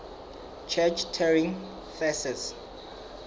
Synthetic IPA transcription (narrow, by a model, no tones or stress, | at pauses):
t͡ʃʰɛt͡ʃtʰɛɹĩŋ | fɛsɛs